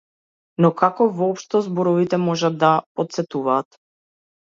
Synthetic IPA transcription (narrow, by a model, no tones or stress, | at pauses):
nɔkakɔvɔɔpʃt̪ɔzbɔɾɔvit̪ɛmɔʒad̪ːapɔt̪̚sɛt̪uvaːt̪